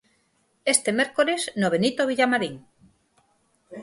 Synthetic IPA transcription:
est̪emeɾkoɾeznoβenit̪oβ̞iʎamaɾiŋ

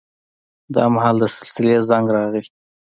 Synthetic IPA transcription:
d̪ɑ̰mahɑld̪əsɪ̥lsɪlezaŋɡɾɑɣi

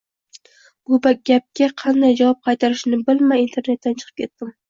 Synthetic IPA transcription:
b̥ʊbaɡʲap̚kʲaqʰɑnd̪ajd͡ʒavɒp̚qʰɑjt̪ʰaɾɪʃnɪbɪlmajint̪ʰe̞ɾne̞t̪ːant͡ʃʰɨ̥qʰɨ̥pkʲʰe̞t̪ːɪm

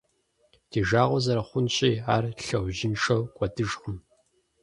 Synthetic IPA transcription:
d̥ʰiːʒaːʁʷɔzɐɾɐχʷʊnɕʼiːaːrɬɐwʑɪnʂɐwkʷʼɔdɨʒχəm

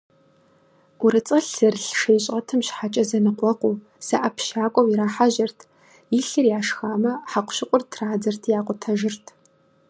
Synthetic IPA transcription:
ʊɾɨt͡sʼɐɬɨrɬʂejɕʼɐtʰɨmɕħat͡ʃʼɐzɐnɨqʷɔqʷuː | sɐʔɐpʰʃaːkʷʼɔwiɾaːħaʒɐrtʰ | iɬɨrjaːʂxaːmɐħaqʷɕɪqʷʼʊrtʰraːd͡zɐrtʰjaːqʷʼʊtʰɐʒɪrtʰ

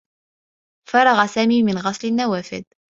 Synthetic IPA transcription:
fɑɾˤɑɣɑsaːmiːmɪnɣɑsˤlɪnːawaːfɪ̰d̪̚

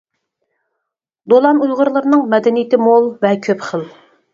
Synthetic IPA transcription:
d̪olˠɑnujʁʊɾlˠəɾɨnɨŋmɛd̪ɛnijit̪ʰɪmolˠvɛkʲʰøpχəlˠ

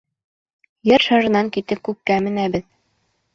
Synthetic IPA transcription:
jɤɾʃɑʒɤ̆nɑŋkit̪ɘp̚kʉp̚kæmɘ̆næbɘð

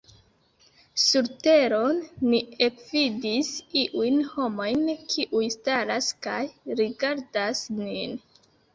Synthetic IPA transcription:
suɾte̞ɾo̞nːiekvidisiʔujnho̞mo̞jnkʰiʔujstaɾaskajɾiɡaɾdasnin

